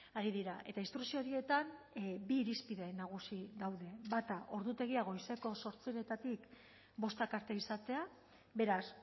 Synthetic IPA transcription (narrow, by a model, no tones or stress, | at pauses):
aɾiðiɾaʔe̞t̪aist̪ɾuksio̞ɾie̞t̪an | biːɾispiðeenːaɣ̞usiðawðe̞βat̪aʔo̞ɾðut̪e̞ɣ̞iaɣ̞o̞iseko̞so̞ɾt͡siɾe̞t̪at̪ik | bo̞st̪akaɾt̪e̞isat̪e̞a | βe̞ɾas